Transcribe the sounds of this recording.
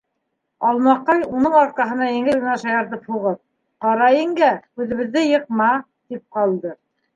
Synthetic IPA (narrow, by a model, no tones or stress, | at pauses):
ɑlˠmɑqːɑjunɤɴɑɾ̚kɑɦɤ̆nɑjɘ̆ŋɘlɡɘ̆næʃɑjɑɾt̪ɤphuʁɤp̚ | qɑɾɑjɘ̆ŋɡæʉðɘ̆βɘ̆ðːɘjɤ̆qmɑ | t̪ip̚qɑlˠd̪ɤ